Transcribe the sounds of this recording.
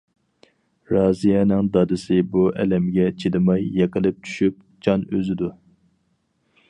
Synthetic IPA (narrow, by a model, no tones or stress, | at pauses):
ɾɑːzijɛnɨŋd̪ɑd̪ɨsɪbuʔɛ̰lɛmɡʲɛt͡ʃʰid̪ɨmɑjːeqəlˠɨp̚t͡ʃʰy̥ʃyp̚ | d͡ʒɑnøzɪd̪u